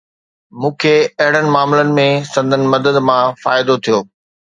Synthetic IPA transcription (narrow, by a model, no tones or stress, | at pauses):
mũːkʰeɐɦɪɽənɪ̆maːmlənɪ̆mẽsɐ̃nd̪ʱənɪ̆mɐd̪əd̪mãfaːɪd̪ot̪ʰijoː